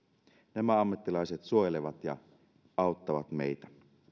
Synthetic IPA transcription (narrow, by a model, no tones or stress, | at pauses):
næmæɑmːɑt̪ːilɑjset̪suojeleʋɑt̪jɑ̰ | ɑˑot̪ːɑʋɑt̪mḛjt̪æ